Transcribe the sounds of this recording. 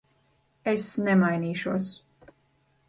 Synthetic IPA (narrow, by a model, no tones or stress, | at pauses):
esnɛmajniːʃuɔs